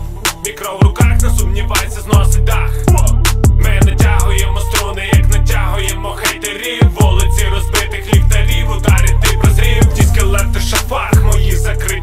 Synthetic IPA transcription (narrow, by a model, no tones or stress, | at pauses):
mʲikɾɔwɾʊkɑxnɐsʊmnʲiʋɑjet͡sʲːɐznɔsɪt̚ʲd̪ɑx | mɪnɐtʲaɦʊjemɔst̪ɾɔnɪjɐknɐtʲaɦʊjɛmɔxɛjt̪ɐɾʲiwʋɔlˠet͡sʲɪɾɔspɪt̪ɪxlʲiwt̪ɐɾʲiʋʊd̪ɑɾʲɐt̪ɪpɾɐzɾʲiwdʲisʲkɪlˠɛk̚t̪ɔʃɐfɑxmɔjizɐkɾɪ